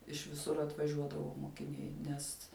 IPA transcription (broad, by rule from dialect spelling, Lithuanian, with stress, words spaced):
ɪʃ ʋʲɪˈsʊr ɐtʋɐˈʒʲuɔdɐʋoː moːkʲɪˈnʲɛɪ ˈnʲɛs